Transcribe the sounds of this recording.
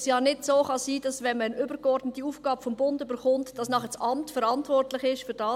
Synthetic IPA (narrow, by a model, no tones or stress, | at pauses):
sjɑːnɪtsoːχɑsiːd̥ɑsʋɛnmənʏbəɾɡɔrdnətiuːfɡ̥ɑːbəfɔmbʊndybəɾχʊntd̥ɑsnɑːχəsɑmtfəɾɑntvɔrtlɪχɪʃfyɾd̥ɑː